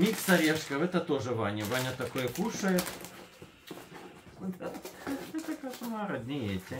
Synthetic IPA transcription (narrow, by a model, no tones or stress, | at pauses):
mʲiksɐɾʲɛʂkɐʋɛt̪ɐt̪oʐɨʋanʲɐʋanʲɐt̪ɐkojɐkuʂɐjɛt̪ | d̪aɛt̪ɐkasʊmɑɾɐd̪ʲnʲɪjetʲɪ